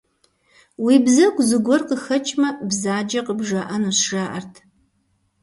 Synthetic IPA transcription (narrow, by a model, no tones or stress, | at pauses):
wiːbzɐɡʷʼzɨɡʷɔrqəxɐt͡ʃʼmɐbzaːd͡ʒɐqəbʐɐʔɐnusʂɐʔɐrtʰ